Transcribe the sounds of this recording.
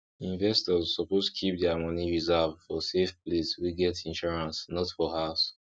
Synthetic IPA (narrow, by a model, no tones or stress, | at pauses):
ĩnvɛstɔzːɔpoztkʰip̚dɛamʌniɹizɛvfɔsefpliswiɡɛtĩnʃɔɹãnsnɔtfɔhaʊs